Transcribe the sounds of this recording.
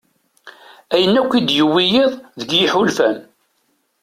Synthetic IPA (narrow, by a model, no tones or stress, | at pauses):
æjənːækʷːid̪jəwːijiðˤðəɡjɪħulfæn